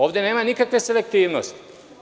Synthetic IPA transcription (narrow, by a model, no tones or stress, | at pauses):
oːʋd̪ene̞ːmanikakʋe̞se̞lek̚t̪iːʋno̰st̪i̥